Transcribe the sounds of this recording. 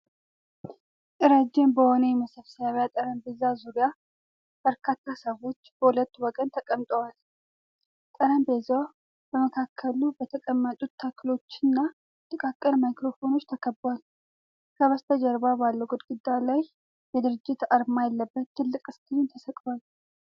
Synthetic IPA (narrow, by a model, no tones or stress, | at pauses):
ɪɾad͡ʒːenbəhonejmɐsəfsaβjat̪ʼɐɾəmbezazuɾɪja | b̥əɾkʰat̪ːasəwo̞t͡ʃːb̥əhulət̪ːwɔɡənt̪ʰəkʼəmt̪ʼəwal | t̪ʼɐɾəmbeza | bəməkʰakʰːəlubət̪ʰəkʼəmːət̪ʼut̪ʰːakʰːɨlo̞t͡ʃːɪnːa | t̪ʼɨkʼakʼːəlmajkɾo̞fo̞no̞t͡ʃːt̪ʰɐkʰəbwal | kʰəβəst̪ʰəd͡ʒɐɾbabalːəɡod̪ɡɨd̪ːalaj | jɛd̪ɨɾɨd͡ʒːɪt̪aɾmajɛlːəbːət̪ːɨlːɨkʼɨst̪ʰʼɨnt̪ʰəsɐkʼwal